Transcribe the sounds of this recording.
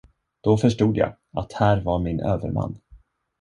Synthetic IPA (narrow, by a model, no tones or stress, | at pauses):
d̪̥ɔfœʂʈuːd̪ja̰ː | at̪hæːɾvaɾmɪnʔøːvə̰ɾma̰nː